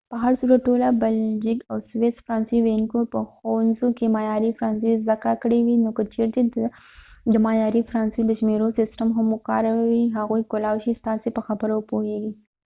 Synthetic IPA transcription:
pəɦaɾsuɾaʈːolabald͡ʒɪkawswesfɾɑːnsiwenkopəxonzukemajɑɾifɾɑnsiszakakəɽewinokət͡ʃeɾt̪e | d̪əmajɑɾifɾɑnsid̪əʃmeɾosɪsʈəmɦamːʊkɑ̰ɾawiɦaɣujkolawʃist̪ɑsepəxabəɾapoɦeɡi

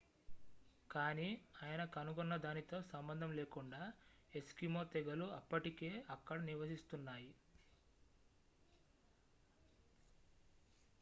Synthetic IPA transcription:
kaːniːaːjɐnɐkɐnuɡunːɐd̪aːnit̪o̞ːsɐmbɐnd̪ʱɐmleːkuɳɖaːe̞skimo̞ːt̪ɛɡɐluɐpːɐʈike̞ːɐkːɐɽɐniɾʋɐsist̪unːaːji

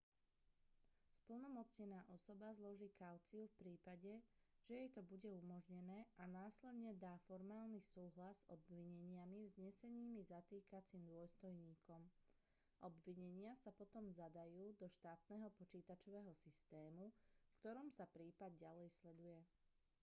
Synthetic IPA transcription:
spl̩nɔmɔt͡sɲɛnaːʔɔsɔbazlɔʒiːkaʊt͡siufpɾiːpaɟɛ | ʒ̥ɛjɛjt̪ɔbuɟɛumɔʒɲɛnɛːʔanaːslɛd̪ɲɛd̪aːfɔɾmaːlnisuːɦlazzɔbʋiɲɛɲɪamivzɲɛsɛɲiːmizat̪iːkat͡siːmd̪ʊɔst̪ɔjɲiːkʰɔm | ʔɔbʋiɲɛɲɪasapɔt̪ɔmzad̪ajuːd̪ɔʃt̪aːt̪nɛɦɔpɔt͡ʃiːt̪at͡ʃɔʋɛːɦɔsist̪ɛːmufkt̪ɔɾɔmsapɾiːpad̪̚ɟalɛjslɛd̪ujɛ

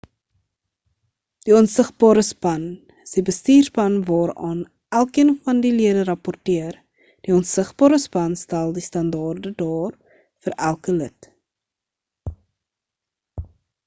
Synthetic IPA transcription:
d̥iɔnsəχbɑːɾəspɐn | əsdibəstiːrpɐnvɑːɾɑːn | ʔælˠkiənfɐndiliədəɾɐpɔrtiər | d̥iɔnsəχb̥ɑːɾəspɐnstælˠdistɐndɑːrdədɑːr | fəɾʔælˠkələt

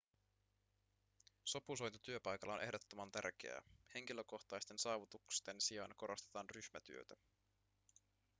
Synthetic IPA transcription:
so̞puso̞jnt̪ot̪yø̞pɑjkɑlːɑonʔe̞hdo̞t̪ːomɑnt̪æ̰rk̟ḛæ̰he̞ŋk̟ilø̞ko̞xt̪ɑjst̪e̞nsɑːʋut̪ukst̪e̞nsiɑnɑko̞ɾo̞st̪et̪ɑːnryçmæt̪y̰øt̪æ

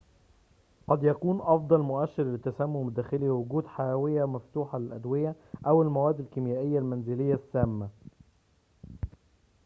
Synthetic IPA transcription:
qɑd̪jækuːnʔɑfd̪ˤɑlmʊʔæʃːɪɾlɪt̪ːæsæmːʊmd̪æːxɪliwʊɡuːd̪ħajæːwɪjæmæft̪uːħɑlɪlʔæd̪wɪjæ | ʔæwɪlmæwæːd̪ːɪlkɪmjæːʔɪjːælmænzɪlɪjːæsːæːmːæ

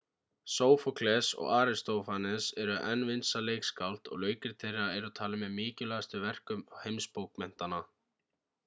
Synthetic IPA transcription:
soːwfɔkʰlɛsɔ̰ɣaːɾɪst̪owfanɛsɛɾʏʔɛnːvɪnsaleːjkskalt̪ɔ̰ɣlœːɥcɪɾ̥t̪ʰejraɛɾʏt̪ʰaːlɪmɛðmɪːcɪlɛɣast̪ʏvɛr̥kʏmhejmspowkmɛn̥t̪anːa

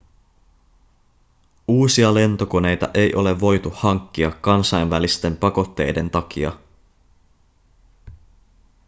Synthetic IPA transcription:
uːsiɑle̞nt̪o̞ko̞ne̞jt̪ɑ̰ʔe̞jʔo̞le̞ʋːo̞jt̪uhɑŋkːiɑkːɑnsɑjnʋælist̪e̞mpɑko̞t̪ːe̞̰jde̞nt̪ɑk̟ḭɑ̰

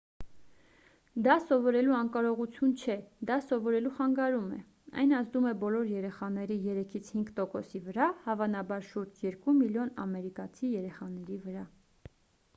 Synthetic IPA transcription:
d̪ɑsɔvɔɾɛluɑŋkɑɾɔʁut͡sʰjunt͡ʃʰɛd̪ɑsɔvɔɾɛluχɑŋɡɑɾumɛ̰ | ɑ̰jnɑzd̪umɛbɔlɔɾjɛɾɛχɑnɛɾijɛɾɛkʰit͡sʰhiŋɡt̪ɔkɔsivəɾɑhɑvɑnɑbɑɾʃuɾd͡ʒjɛɾkumiljɔnɑ̰mɛɾikɑt͡sʰijɛɾɛχɑnɛɾivəɾɑ

